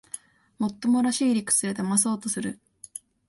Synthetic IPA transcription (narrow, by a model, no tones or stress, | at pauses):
mo̞t̪ːo̞mo̞ɾaɕiːɾʲikɯ̟̥t͡sɨe̞t̪amas̬o̞ːt̪o̞sɨɾɯ̟